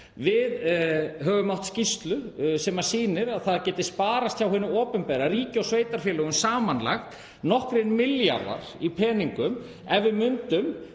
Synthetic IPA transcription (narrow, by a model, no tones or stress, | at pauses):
vɪðɦœːɣʏmawht̪scist̪lʏsɛmḁsiːnɪɾaðθaðcɛːt̪ɪsspaːɾast̪çawhʏnʏɔːpʏnpɛɾariːcɪawsveːjt̪aɾ̥fjɛːlœɣʏmsaːmanla̰xt̪ | nɔhkɾɪnmɪlja̰ɾwa̰ɾ̥ipʰɛːniŋkʏm | ɛvɪmʏnt̪ʏm